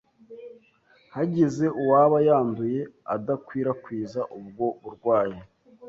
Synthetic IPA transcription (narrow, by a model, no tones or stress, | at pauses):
haɟeze̞ʔuwaːβajaːnduje̞adakwiːɾakwiːzaʔub̚ɡo̞βuɾɡwaːje